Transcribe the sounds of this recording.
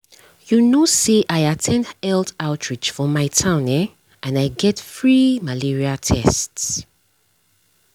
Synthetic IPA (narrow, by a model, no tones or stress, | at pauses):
junoseʔaɪatʰɛ̃ndɛldaʊtʰɹid͡ʒfɔmaɪtʰãʊ̃nɛ | ãnaɪɡɛtfɹimaliɹiatʰɛsts